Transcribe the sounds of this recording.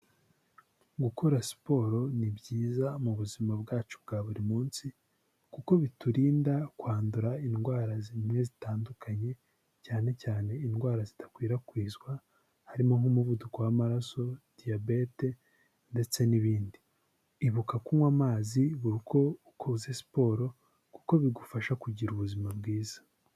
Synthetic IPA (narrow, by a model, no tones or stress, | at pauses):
ɡukuɾasi̥po̞ːɾo̞nibɟiːzamuβuzimabɡaːt͡ʃu̥bɡaːβuɾimuːnsi | kuko̞βituɾiːndakwaːnduɾainɡwaːɾazimŋe̞zitaːndukʰaɲe̞ | caːne̞caːne̞inɡwaːɾazitḁkwiːɾakwiːzɡwa | haɾimoŋumuvudukowamaɾaso̞d̥ijabe̞te̞ | nde̞t͡se̞niβiːndiː | βukakumwamaːziβuɾiko̞ | kʰuzesi̥po̞ːɾo̞ | kuko̞βiɡufaʃakuɟiɾuβuzimabɡiːzḁ